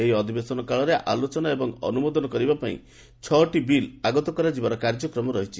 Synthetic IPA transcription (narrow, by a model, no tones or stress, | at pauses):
eɦiɔd̪ʱibesɔnɔkaɭɔɾeʔa̰lot͡ʃɔnaebɔŋɔ̰numod̪ɔnɔkɔɾibapaḭ̃ | t͡ʃʰɔʈibilaɡɔt̪ɔkɔɾad͡ʒibaɾɔkaɾd͡ʒɔkɾɔmɔɾɔɦit͡ʃʰi